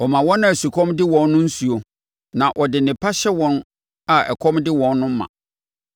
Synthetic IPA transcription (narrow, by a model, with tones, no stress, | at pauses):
ɔ˨mã˨wɔ̃˦nã˦˨su˨kʰɔ̃˦mdɪ˦wɔ̃˦nːʊ̃˦n̩˦su˨o˨ | nã˨ʔɔ˨dɪ˨nɪ̃˨pʰa˦ɕɛ˦wɔ̃˦n | a˦ɛ̰˨kʰɔ̃˦mdɪ˦wɔ̃˦nːʊ̃˦m̩˦mã̰˨